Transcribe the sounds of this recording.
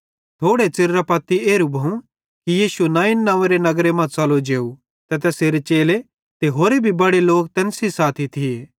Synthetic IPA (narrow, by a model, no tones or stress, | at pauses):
t̪ʰoːɽet͡sɪɾɾapɐt̪ːieːɾubʱũ | kijiːsuenãːɪnːãːʋeɾenɐɡɾemãt͡sɐlod͡ʒeːu | t̪ɛt̪ɛseːɾet͡ʃeːle | t̪eɦoːɾebʱibɐɽeloːk̚t̪ɛ̃ːnsisaːt̪ʰit̪ʰieː